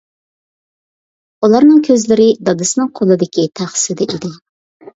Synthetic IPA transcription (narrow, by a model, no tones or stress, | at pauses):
ulˠɑɾnɨŋkʲʰøzlɪɾɪd̪ɑd̪ɨsɨnɨŋqʰolˠɨd̪ɪkʲit̪ʰæχsɨd̪ɪʔid̪ɪ